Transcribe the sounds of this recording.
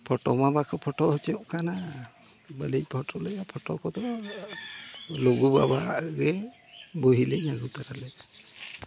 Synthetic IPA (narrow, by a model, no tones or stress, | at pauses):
pʰɔʈɔmabakʰɔpʰɔʈɔhɔt͡ʃɛɔʔkana | bəlipʰɔʈɔlɛjapʰɔʈɔkɔt̪ɔ | loɡuba̰baɡɛ | buɦilɛnaɡut̪aɾalɛ